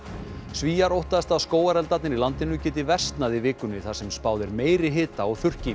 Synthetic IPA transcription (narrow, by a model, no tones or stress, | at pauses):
sviːjaɾowht̪aðɛst̪askoːwaɾɛlt̪at̪nɪnilant̪ɪnʏcɛːt̪ɪvɛr̥st̪naðivɪːkʏnːɪθasɛmspaːwðɪɾmeːjɾɪɦɪːt̪aɔɣθʏr̥cɪ